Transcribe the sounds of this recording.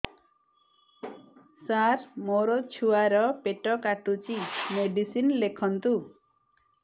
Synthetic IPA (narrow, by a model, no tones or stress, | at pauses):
saɾmoɾɔt͡ʃʰuaɾɔpeʈɔkaʈut͡ʃimeɖisinlekʰɔnt̪u